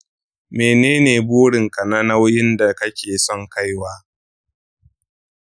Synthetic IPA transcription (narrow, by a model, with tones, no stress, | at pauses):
meː˨neː˦neː˨boː˦ɽɪ˨ŋkɐ˨na˦na˦wjɪ˦nda˨kɐ˦kʲeː˨sɔ˦ŋka˦jwaː˦